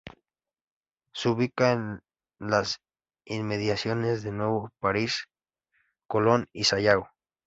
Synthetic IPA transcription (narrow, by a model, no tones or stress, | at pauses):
suβikan | las | inmeðjasjonezðenweβopaɾis | kolonisajaw